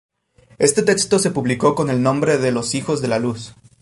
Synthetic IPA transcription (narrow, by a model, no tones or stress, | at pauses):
e̞st̪e̞t̪e̞kst̪o̞se̞puβliko̞ko̞ne̞lnõ̞mbɾe̞ðe̞lo̞sixo̞zðe̞lalus